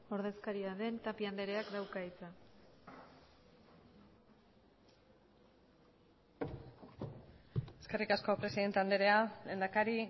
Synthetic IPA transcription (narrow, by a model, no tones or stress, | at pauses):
o̞ɾðe̞skaɾiaðe̞nt̪apiand̪e̞ɾeakd̪awkait͡sa | e̞ske̞rikasko̞pɾe̞siðe̞nt̪eand̪e̞ɾe̞ale̞ːnd̪akaɾi